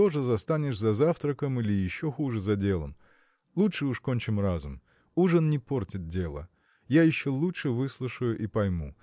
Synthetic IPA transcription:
t̪o̞ʐɨzɐst̪anʲɪʂzɐzaft̪ɾəkəmilʲɪjɪɕːoxuʐɨzɐdʲe̞lˠə̰m | lˠutʂɨuʂkonʲt͡ɕɪmrazʊm | uʐɨnnʲɪpo̞rtʲɪt̪̚dʲe̞lˠə̰ | jajɪɕːo̞lˠutɨvɨslˠuʊʂɨjʊʔipɐjmu

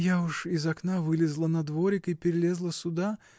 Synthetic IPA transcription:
jaʊʂɪzɐknavɨlʲɪzlˠənɐd̪voɾʲɪkɪpʲɪɾʲɪlʲezlˠəsʊd̪a

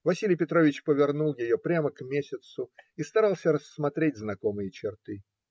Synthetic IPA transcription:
vɐsʲilʲɪjpʲɪt̪ɾovʲɪt͡ɕpəvʲɪrnulˠjɪjopɾʲaməkmʲesʲɪt̪sʊist̪ɐɾalˠsʲəɾəsːmɐt̪ɾʲet̚ʲznɐko̞mɨjət͡ɕɪrt̪ɨ

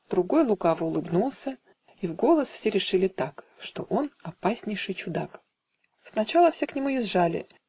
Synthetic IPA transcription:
d̪ɾʊɡo̞jlˠʊkavəʊlˠɨbnulˠsʲə | ivɡo̞lˠəsfsʲeɾʲɪʂɨlʲɪt̪ak | ʂt̪o̞ʔo̞nɐpasʲnʲɪjʂɨjt͡ɕʊd̪ak | snɐt͡ɕalˠəfsʲe̞knʲɪmuɪzʐalʲɪ̰

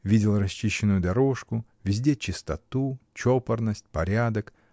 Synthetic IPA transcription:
vʲidʲɪlˠrɐsʲt͡ɕːiɕːɪnʊjʊd̪ɐɾo̞ʂkʊ | vʲɪzʲdʲe̞t͡ɕɪst̪ɐt̪ut͡ɕopərnəsʲtʲpɐɾʲad̪ək

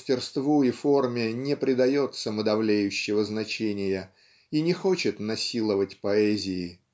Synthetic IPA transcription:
sʲtʲɪrst̪vuifo̞rmʲɪnʲɪpɾʲɪd̪ɐjo̞t̪səməd̪ɐvlʲejʉɕːɪvəznɐt͡ɕenʲɪjə | inʲɪxo̞t͡ɕɪt̪nɐsʲilˠəvətʲpɐɛzʲɪɪ

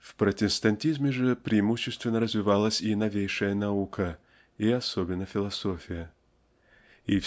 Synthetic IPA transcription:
fpɾətʲɪst̪ɐnʲtʲizmʲɪʐɨpɾʲɪɪmuɕːɪst̪vʲɪnːəɾəzvʲɪvalˠəsʲinɐvʲejʂəjənɐukʰə | iɐsobʲɪnːəfʲɪlˠɐsofʲɪjə | if

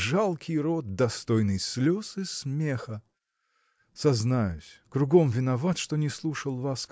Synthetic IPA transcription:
ʐalˠkʲʰɪjɾot̪̚d̪ɐst̪ojnɨjslʲosɨsmʲexə | sɐznajʊsʲkɾʊɡomvʲɪnɐvat̪ʂt̪onʲɪslˠuʂəlˠvask

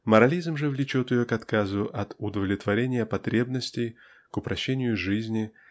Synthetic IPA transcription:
məɾɐlʲizmʐɨvlʲɪt͡ɕo̞t̪ɪjokɐt̪kazʊʔɐt̪ʊd̪əvlʲɪt̪vɐɾʲenʲɪjəpɐt̪ɾʲe̞bnəsʲtʲɪj | kʊpɾɐɕːenʲɪjʊʐɨzʲnʲɪ

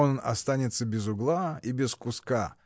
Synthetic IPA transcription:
onnɐ̰st̪anʲɪt̪səbʲɪzʊɡlˠaibʲɪskʊska

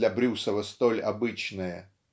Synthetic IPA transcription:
lʲɐbɾʲusəvəst̪olʲa̰bɨt͡ɕnɨjə

